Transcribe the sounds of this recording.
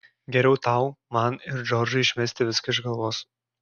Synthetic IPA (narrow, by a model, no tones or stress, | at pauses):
ɡʲɛɾʲɛʊt̪ɐʊmɐnɪɾd͡ʒɔɾʲd͡ʒʊɪɪʃʲmʲɛsʲt̪ʲɪʋʲɪskɐɪʒɡɐlˠʋoːs